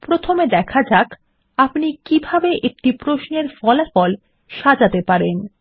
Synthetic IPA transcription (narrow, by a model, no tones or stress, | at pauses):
pɾot̪ʰomed̪ɛkʰad͡ʑak | apnikibʱabeʔek̚ʈipɾoʃneɾfɔlafɔl | ʃad͡ʑat̪epaɾen